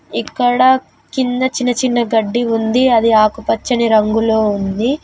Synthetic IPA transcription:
ikːɐɽɐ | kind̪ɐt͡ʃinːɐt͡ʃinːɐɡɐɖːiund̪iɐd̪iaːkupɐt͡ʃːɐniɾɐŋɡuloːund̪i

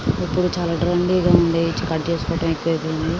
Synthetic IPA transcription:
ipːuɽut͡ʃaːlaːɖɾɐɳɖiːɡaːuɳɖeːjit͡ʃkɐʈːt͡ʃeːsu̥kɔːʈɐ̃mɐkːued̪iɐɳi

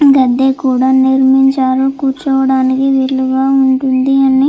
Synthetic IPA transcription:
ɡɐd̪ːekuːɽaːniɾmiɲt͡ʃaːɾukuːɾt͡ʃɔʋɐɽaːnikiʋiɭlːuɡaːuɳʈund̪iɐni

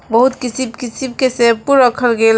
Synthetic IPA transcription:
bəɦut̪kisibkisib̚kesẽpuɾəkʰəlɡel

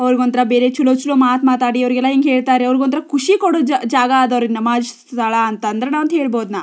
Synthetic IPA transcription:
ɐʋɐɾiɡoːnt̪ɐɾɐbeːɾet͡ʃulot͡ʃuloːmaːt̪maːt̪aːɽiɐʋɾiɡɛlːaeːŋɡɦeːɭt̪aːɾeɐʋɐɾiɡuont̪ɐɾɐkʰuʂikoɽod͡ʒaːɡɐaːd̪ɐʋɐɾinːɐmaːd̪saːɭaːnt̪ɐːnd̪ɐɾenaːʋnt̪ɦeːɭboːd̪naː

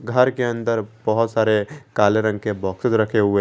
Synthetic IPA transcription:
ɡʱəɾkeə̃nd̪əɾb̥əɦʊt̪saːɾekaːleɾə̃ŋɡkebɔːksəd͡ʒɾəkʰeɦue

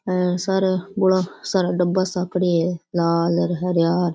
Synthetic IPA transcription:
saɾbʊlaːsaɾaɖəbːaːsakɽiːelaːləɾɦəɾjaːɾ

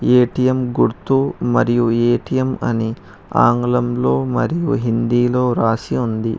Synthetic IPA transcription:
eːʈijɐmɡuɾt̪uːmɐɾijueːʈijɐmɐ̰ni | a̰ːŋɡlɐmlo̞ːmɐ̰ɾijṵɦind̪iːlo̞ːɾaːsiund̪ḭ

